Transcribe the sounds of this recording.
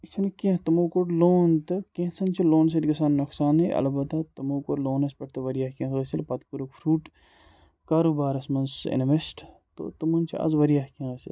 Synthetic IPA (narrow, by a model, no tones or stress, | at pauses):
isʰinkẽt̪ɐmoːkoʈloːnt̪ɨkẽɦsɐnt͡ʃʰiloːns̬ed̪ɡɐsaːnːɐksaːneʔɐ̰lbɐt̪at̪ɐmoːkoʈloːnɐspʲɐʈ̚ʰt̪ɨʋɐɾijahkʲẽɣəsilpɐt̪kuɾukfʰɾuːʈ | kaːɾoːbaːɾɐsmɐnsḛnʋesʈ | t̪o̰ːt̪ɐmunt͡ʃʰiɐ̰zʋɐɾijahkẽəsḭl